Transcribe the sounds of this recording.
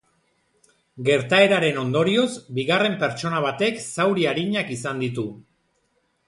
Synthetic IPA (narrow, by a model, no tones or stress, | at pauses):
ɡe̞ɾt̪ae̞ɾaɾe̞no̞nd̪o̞ɾio̞zbiɣare̞mpe̞ɾt͡ʃo̞naβ̞at̪e̞ksawɾiaɾiɲakisand̪it̪u